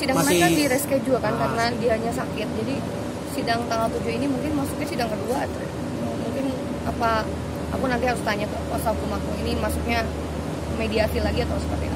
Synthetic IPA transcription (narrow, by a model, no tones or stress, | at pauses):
sidaŋnakandiɾɛskajad͡ʒuakankaɾənadiaɲasakɪt̪̚d͡ʒadi | sidaŋt̪aŋalt̪ud͡ʒʊinimuŋkɪnmasuk̚ɲasidaŋkəduat̪u | muŋkɪn | apa | a̰kunant̪iɦaɾʊst̪aɲat̪pasakumakuinimasʊk̚ɲa | mediasilaɡiat̪awsə̥pərt̪ḭa